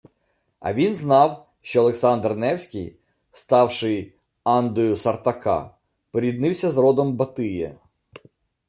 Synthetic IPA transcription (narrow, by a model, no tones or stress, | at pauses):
ɐ̰ʋʲinznɑw | ʃt͡ʃɔɐlˠeksɑnd̪rnɛwsʲkʲɪj | st̪ɑwʃɪj | ɑnd̪ɔjʊsɐrt̪ɐkɑ̰ | pɔɾʲid̪nɪwsʲɐzɾɔd̪ɔmbɐt̪ɪjɛ̰